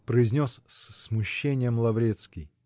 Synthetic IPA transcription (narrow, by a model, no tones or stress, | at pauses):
pɾəɪzʲnʲosssmʊɕːenʲɪjəmlˠɐvɾʲet̪skʲɪj